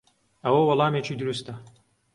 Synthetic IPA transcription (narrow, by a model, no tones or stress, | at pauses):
ɐwɐwɐlˠɑːmeːt͡ʃʰiːd̪uɾust̪̚ɐ